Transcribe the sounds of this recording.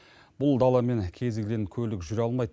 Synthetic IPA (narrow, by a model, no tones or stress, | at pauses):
b̥ʊlˠd̪ɑlˠɑme̞ŋkʲʰe̞zɡʲɪleŋkʲʰɵlɪkʒʏɾɑlˠmɑjd̪ə